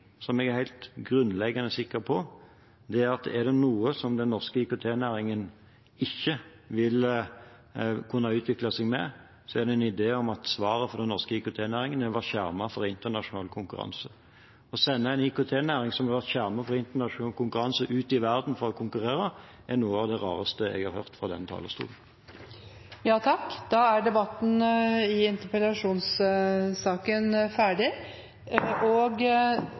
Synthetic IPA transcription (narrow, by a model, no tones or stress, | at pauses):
sɔmɛɡæʁhæɪlt̪ɡɾʉnːlɛɡɑnəsɪkːəɾpʰɔ | d̪ɛæɾɑt̪ɛɾd̪ɛnuːəsɔmd̪ɛnːɔʁskəɪkʊt̪ʰeːnæːɾɪŋən | ɪçːə | ʋɪl | kʰʉnːɑʉːt̪ʰʋɪklɑsɛɡmɛ̰ | sɔɛd̪ɛɛnɪd̪eːɔmɑt̪sʋɑːɾəfɔʁd̪ɛnːɔʁskəɪkʊt̪ʰeːnæːɾɪŋənɛʋæʁt̪çæɾmɑfɔɾɪnt̪əʁnɑʃʊnɑːlkʰʊŋkʉɾɑ̰nsə | ɔsɛnːəæɪnɪkʊt̪ʰeːnæːʁɪŋsɔmhɑɾʋæʁt̪çæʁmɑfɔɾɪnt̪ənɑʂʊnɑːlkʰʊŋkʉʁɑnsəʔʉːt̪ɪʋæʁd̪n̩fɔɾɔkʰʊŋkʉʁeːʁə | ʔænuːəɑʋd̪ɛʁɑːʁəst̪əɛ̰ɡhɑʁhøːʁt̪fʁɑd̪ɛ̰nt̪ʰɑ̰ːləst̪ṵːln̩ | jɑːt̪ʰɑkːd̪̥ɑːæɖɛbɑt̪ːn̩ɪɪnt̪əpɛlɑʂuːnssɑːkənfæːɖɪ | ɔɡ